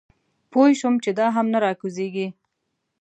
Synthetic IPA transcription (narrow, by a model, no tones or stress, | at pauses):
pojʃumt͡ʃed̪ɑɦamnaɾɑkuzeɡi